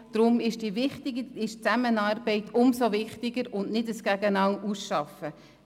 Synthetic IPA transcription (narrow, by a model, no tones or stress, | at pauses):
d̥ɾʊmɪʃd̥ivɪχtɪɡiɪʃt͡sæmənɑːrbɛɪtʰʊmsovɪχtɪɡəɾʊnnɪdəsɡ̥æɡənɑwʔusʃɑfə